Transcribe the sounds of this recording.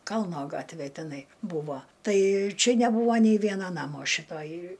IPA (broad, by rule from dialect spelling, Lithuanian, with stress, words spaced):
ˈkɐlˠnoː ˈɡɑːtʲʋʲeː tʲɛˈnɐɪ ˈbuːʋoː ˈtɐɪ ˈt͡ʃʲɛ nʲɛˈbuːʋoː nʲɛɪ ˈʋʲiɛnɐ ˈnɑːmoː ʃʲɪˈtoːj